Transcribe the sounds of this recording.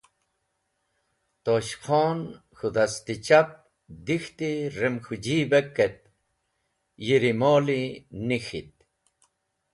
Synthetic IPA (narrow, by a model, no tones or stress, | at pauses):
t̪oɕqʰoːn | xud̪ast̪it͡ɕap̚ | d̪ixt̪iɾemxud͡ʑiːbekːet̪̚ | jiɾimoːlinixit̪̚